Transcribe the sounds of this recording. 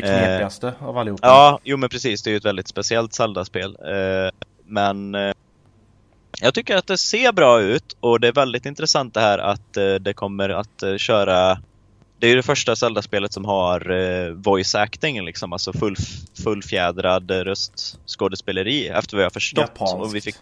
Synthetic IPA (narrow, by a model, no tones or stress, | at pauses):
eɪast̪əavalːɪhuːɑːjuːmɛnpʰɾɛsiːsd̪ɛæɾjʏɛt̪vɛld̪ɪt̪spɛsɪɛlt̪sɛld̪aspeːl | mɛn | jɑːɡ̚t̪ʰʏkːəɾat̪̚d̪ɛseːɾbɾɑːʉ̟ːt̪ɔd̪ɛæɾvɛld̪ɪt̪ɪnt̪ɾɛsant̪̚d̪ɛhæːɾʔa̰t̪d̪ɛkʰɔmːəɾa̰t̪ɕœːɾa | d̪̥ɛæɾjɵd̪ɛfœʂʈasɛld̪aspeːlət̪sɔmɦaɾvɔjsɛknɪŋlɪksɔmalsɔfɵlːfɵlːfjɛːd̪ɾad̪ɾœst̪skoːd̪əspeːləɾiːɛ̰ft̪əɾvavɪhaɾfœʂʈɔt̪ːɔmvɪfɪ